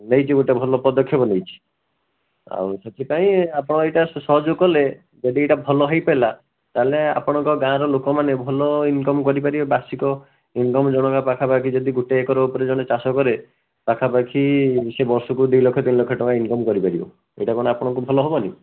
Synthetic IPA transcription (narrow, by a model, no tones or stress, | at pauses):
nejt͡ʃʰiɡuʈebʱɔlɔpɔd̪ɔkʰːjɔɦbɔnejt͡ʃʰi̥ | a̰w̃set̪ʰipaĩapɔɽ̃ɔejʈasɔɦɔd͡ʒukɔle | d͡ʒeʈieʈabʱɔlɔɦejpela | t̪alea̰pɔɽ̃ɔŋkɔɡãɾɔlokɔmanebʱɔlɔinkɔmkɔɾipaɾibebasikɔ | inkɔmd͡ʒɔɽ̃ɔkapakʰapakʰid͡ʒɔd̪iɡuʈeːkɔɾɔupɔɾed͡ʒɔɽ̃et͡ʃasɔkɔɾe | pakʰapakʰisebɔɾsɔkud̪ilokʰːɔt̪inlokʰːɔʈɔkainkɔmkɔɾipaɾibɔ̰ | ḛjʈakɔɽ̃apɔɽ̃ɔ̃ŋkubʱɔlɔɦobɔnḭ